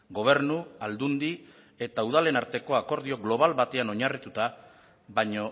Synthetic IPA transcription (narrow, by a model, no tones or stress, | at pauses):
ɡo̞β̞e̞ɾnuald̪und̪i | e̞t̪auðale̞naɾt̪e̞ko̞ako̞ɾðioɣlo̞β̞alβat̪e̞ano̞ɲarit̪ut̪a | βaɲo̞